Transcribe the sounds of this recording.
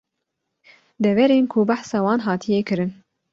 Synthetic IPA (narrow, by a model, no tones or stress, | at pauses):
d̪ɛvɛɾeːnkʰubaħsɑːwɑːnɦɑːt̪ʰijɛkɨɾɨn